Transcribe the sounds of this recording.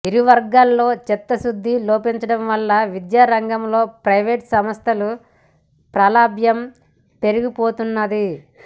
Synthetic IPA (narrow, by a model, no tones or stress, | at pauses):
iɾiʋɐɾɡaːlːo̞ːt͡ʃɛt̪ːɐsud̪ʱːiloːpiɲt͡ʃɐɽɐmʋɐlːɐʋid̪jaːɾɐŋɡɐmlo̞ːpɾɐjʋeːʈsɐmɐst̪ʰɐlu | pɾaːlaːbʱjɐm | pe̞ɾuɡipoːt̪unːɐd̪i